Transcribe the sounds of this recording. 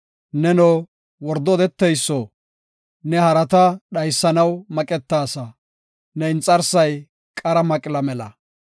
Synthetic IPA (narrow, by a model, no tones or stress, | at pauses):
nɛno | wɔɾd̪ɔːd̪ɛt̪ːɛjsːɔ | nɛhɐɾɐt̪ɐɗɐjsːɐnɐwmɐkʼɛt̪ːaːsɐ | nɛɪnt͡sʼːɐɾsɐj | kʼɐɾɐmɐkʼɪlɐmɛlɐ̰